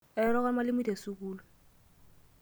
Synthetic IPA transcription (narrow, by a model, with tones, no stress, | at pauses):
ɛ˦ɾɔ˦ɣa˦ma˦lɪ˦mi˦da˨su˦k̬uː˦lɔ˨